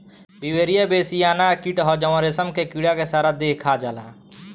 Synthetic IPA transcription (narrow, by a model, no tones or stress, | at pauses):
biweɾijabeːsijaːnakiʈɦɔd͡ʒəwəɾesəmkekiɽakesaːɾad̪ekʰad͡ʒaːla̰